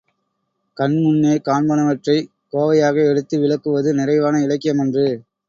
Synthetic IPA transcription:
kɐnmʊnːeːkaːnbɐnɐʋɐʈrɐɪ | koːʋɐjaːɣɐɛɽɯt̪ːɯʋɪlɐkːɯʋɐðɯnɪrɐɪʋaːnɐɪlɐkːɪjɐmɛndrɯ

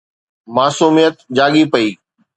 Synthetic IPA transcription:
maːsuːmijət̪d͡ʑaːɠipɐiː

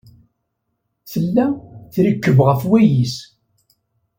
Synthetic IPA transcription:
θəlːæθɾikːəvʁəfwæjis

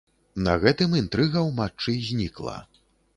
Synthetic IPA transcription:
nɐ̰ɣɛt̪ɨmint̪ɾɨɣɐwmat͡ʂɨzʲnʲiklˠɐ̰

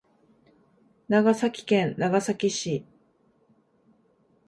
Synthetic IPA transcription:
naɡasakʲi̥kẽ̞nːaɡasakʲiɕi

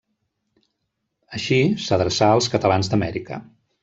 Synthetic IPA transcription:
əʃisəðɾəsaəlˠskət̪əlanzd̪əmɛɾikə̰

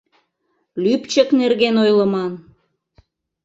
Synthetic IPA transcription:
lypt͡ɕəknerɣenojlə̆mɑn

